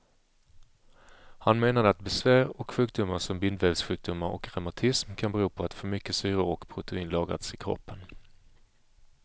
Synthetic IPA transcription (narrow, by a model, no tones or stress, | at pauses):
hanmeːnad̪əat̪bɛsvæːɾɔkɧʉ̟ːk̚d̪ʊmasɔmbɪnd̪vɛvsɧʉ̟ːk̚d̪ʊmaɾɔ̰kɾamat̪ʰɪsmkʰanbɛɾuːpʰɔat̪fœɾmʏkːəsyːɾʊɾɔkpʰɾʊt̪ʰɛiːnlɑːɡɾa̰t̪sɪkʰɾɔ̰pːən